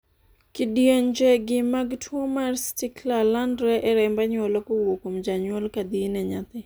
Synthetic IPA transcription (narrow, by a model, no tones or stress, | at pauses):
kɪdijeɲd͡ʒɛɡɪmaɡtʰwomarstɪklalandɾɛʔɛɾɛmbaɲwɔlokowokomd͡ʒaɲwɔlkad̪inɛɲat̪ɪ